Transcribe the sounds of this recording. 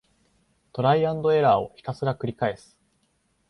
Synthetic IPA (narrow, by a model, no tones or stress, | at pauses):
t̪o̞ɾaiãnd̪o̞e̞ɾaːo̞çi̥kasɨɡakɯ̟ɾʲikae̞sɨ̥